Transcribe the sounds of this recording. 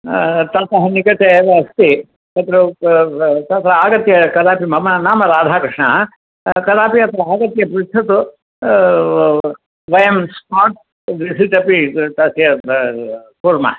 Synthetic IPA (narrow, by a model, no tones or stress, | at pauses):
t̪aːt̪ɐɦɐnikɐt̪eːʋɐɐst̪i | ɐt̪ɐɾɐ | t̪ɐt̪ɾɐaːɡɐt̪jɐkɐd̪aːpimɐmɐnaːmɐɾaːd̪ʱaːkɾɨʂɳɐ̰ | kɐd̪aːpiɐt̪ɐɾɐaːɡɐt̪jɐpɾit̪ʰɐt̪u | ʋɐjɐmspaːʈ̚ | ʋisit̪ɐpit̪ɐsjɐ | kuɾmɐ̰